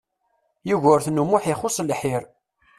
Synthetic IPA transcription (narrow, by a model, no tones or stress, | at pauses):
juʝʊɾθnumʊħiχʊsˤlħiɾ